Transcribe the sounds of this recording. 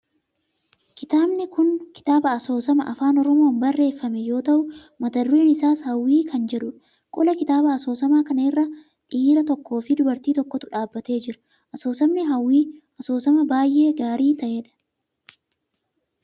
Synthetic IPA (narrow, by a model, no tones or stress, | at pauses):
kɪt̪aːbnɪkʊnkɪ̥t̪aːbɐɐso̞ːsɐmɐʔɐfaːnɔɾɔmo̞ːnbɐrːe̞ːfːɐmɛjo̞ːt̪ɐʔʊ | mɐt̪ɐɾɾeːnɪsaːshɐwːiːkɐnd͡ʒɛᶑʊᶑ | kʼʊlɐkɪt̪aːbɐɐsoːsɐmaːkɐnɐɪrːɐ | ᶑiːɾɐt̪ɔkːo̞ːfɪd̪ʊbɐɾt̪iːt̪ɔkːɔt̪ʊᶑaːbːɐt̪e̞ːd͡ʒɪɾʊ̥ | ʔɐso̞ːsɐbnɪɦɐwːiː | ɐso̞ːsɐmɐbaːjʔe̞ːɡaːɾiːt̪ɐʔeːᶑɐ̥